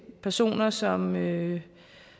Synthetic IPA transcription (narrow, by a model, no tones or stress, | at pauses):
pʰæɐso̝̰ːnɐsɒ̽mø